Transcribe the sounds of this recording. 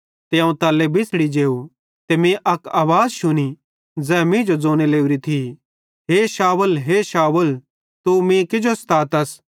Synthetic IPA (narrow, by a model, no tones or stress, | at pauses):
t̪eɐ̃ũt̪ɐːlːebʱɪsɽid͡ʒeːu | t̪emẽʔɐkaːʋaːzʃʊñi | d͡zɛːmĩd͡ʒod͡zoːñeleːuɾit̪ʰi | ɦeːʃaːwəlɦeːʃaːwəl | t̪umĩkɪd͡ʒost̪ʰaːt̪ɐs